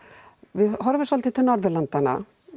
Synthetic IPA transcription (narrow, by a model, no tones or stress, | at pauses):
vɪɦɔɾvɛsalt̪ʰit̪ʰɪlnɔɾðʏɾlant̪ana̰